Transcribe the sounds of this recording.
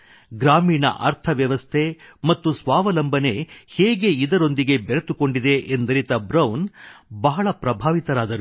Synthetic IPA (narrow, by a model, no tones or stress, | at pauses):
ɡɾaːmiːnɐ̰ʔɐ̰ɾt̪ʰɐʋjɐʋɐst̪ʰemɐt̪ːusʋaːʋɐlɐmbʱɐne̞heːɡe̞id̪ɐɾo̞nd̪iɡe̞beɾet̪uko̞ɳɖid̪e̞ʔend̪ɐɾit̪ɐbɾɐwnbɐɦɐɭɐpɾɐbʱaːʋit̪ɐɾaːd̪ɐɾu